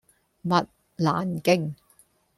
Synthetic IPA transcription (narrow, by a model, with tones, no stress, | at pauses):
mɐ˨t̚ | la̰ː˨˩nkɪ˧ŋ